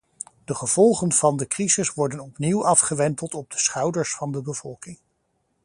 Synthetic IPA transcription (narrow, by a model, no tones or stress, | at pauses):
d̥əχəv̥ɔlˠχənv̥ɑndəkrizɪsʋɔɹdənɔpniwʔɑfχəʋɛntəlˠtɔb̚dəsχɑwdəɹsfɑndəbəv̥ɔlˠkɪŋ